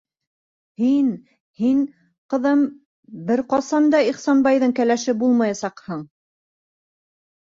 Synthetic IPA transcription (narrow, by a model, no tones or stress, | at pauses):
hin | hin | qɤ̆ðɤm | bɘɾqɑsɑnd̪ɑiχsɑnbɑjðɤɴkælæʃɘbulˠmɑjɑsɑqhɤɴ